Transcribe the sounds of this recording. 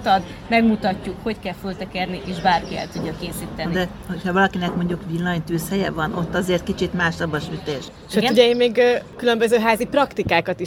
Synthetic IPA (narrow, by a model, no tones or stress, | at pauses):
t̪ɒd̪ | mɛɡmut̪ɒcːukho̞ckɛlfølt̪ɛkɛrniʔeːʃbaːrkiɛ̰lt̪uɟ̪ːɒkeːsiːt̪ɛnid̪ɛ | ho̞chɒvɒlɒkinɛkmo̞ɲɟukʋilːɒɲt̪yːshɛjɛvɒnʔo̞t̪ːɒzeːrt̪̚kit͡ʃit̪maːʃsɒbɒʃyt̪eːʃ | ʃøuɟɛjimeːɡːkylø̞mbøzøːɦaːziprɒkt̪ikaːkɒt̪iʃ